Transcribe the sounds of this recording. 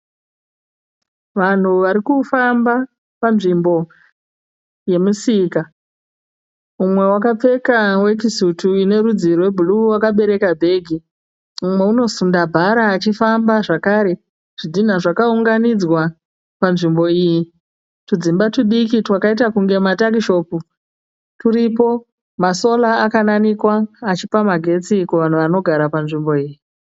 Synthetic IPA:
ʋan̤uʋaɾikufamba | panʐimbo̞ | je̞musika | umwe̞wakap͡fe̞kawe̞k̬isutʰuine̞ɾud͡zirwe̞bʱuluwakaɓe̞ɾe̞kabʱe̞ːɡʱi | umwe̞uno̞sundabʱaɾaːt͡ʃifambaʐakaːɾe̞ | ʐ̥idʱin̤aʐakauŋɡanid͡zwa | panʐimbo̞iji | tud͡zimbatuɗikitwakait̬akuŋɡe̞matak̬iʃo̞ːpu | tuɾipo̞ | maso̞laːkananikwaːt͡ʃipamaɡʱe̞t͡sikuʋan̤uʋano̞ɡʱaɾapanʐimbo̞iːji

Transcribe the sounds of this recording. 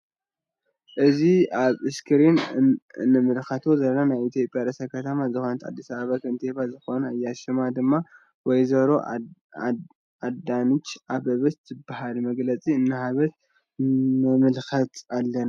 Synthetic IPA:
ʔɨziaβɨskʰɨɾinɨ̰nːɨmɨlxɐt̪ʰozɐlnanajit̪ʰjo̞pʼjaɾɐsɐkʰɐt̪ʰɐmazɨxo̞nɨt̪ʰa̰d̪ːisaβaβakʰɨnt̪ʰebazɨxo̞najːaʃɪmad̪ɨmːa | wɔjzɐβɾo̞ | ad̪anɨt͡ʃːʔaβɐβɨst̪ɨbahalmɐɡlɐt͡sʼiɨnːɨhaβɐt̪̚ | mɨmɨlxɐt̪alːɐna

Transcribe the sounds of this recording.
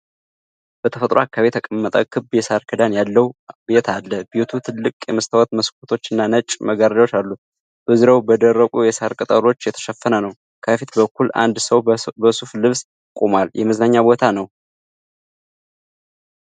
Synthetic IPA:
b̥ət̪ʰəfət̪ʼɾʔoakʰːaβet̪ʰəkʼəmːət̪ʼəkʰɨbjɛsaɾkʰəd̪anjalːəwbet̪ʰalːəbet̪ʰut̪ʰɨlːɨkʼjɛməst̪ʰawɔt̪məskʷʰʼot̪ʰo̞t͡ʃːɨnːanət͡ʃʼməɡaɾdawot͡ʃalːu | b̥əzɨɾawbəd̪ərːəkʷʼujɛsaɾkʼɨt̪ʼəɾo̞t͡ʃːjɛt̪ʰə̥ʃəfːənənəw | kʰəfit̪bəkʰʷːula̰nd̪səwbəsuflɨβs | kʼomaljɛməznaɲːabo̞t̪ʰanəw

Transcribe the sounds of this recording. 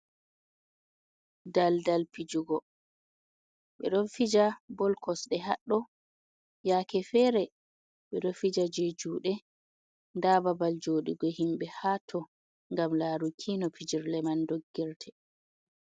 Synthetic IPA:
daldalpid͡ʒuɡɔ | ɓɛɗɔnfid͡ʒabɔlkɔsɗɛɦaɗːɔ | jakɛfɛɾɛ | ɓɛɗɔfid͡ʒad͡ʒed͡ʒuːɗɛ | ndaːbabald͡ʒoːɗiɡɔhimbɛhaːtʰɔ | ŋɡamlaːɾukʰinɔpʰid͡ʒiɾlɛmandoɡːiɾtʰɛ

